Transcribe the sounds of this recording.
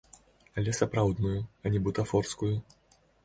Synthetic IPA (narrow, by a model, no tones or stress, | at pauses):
ɐlʲɛsapɾawd̪nujuɐnʲɛbut̪afɔrskuju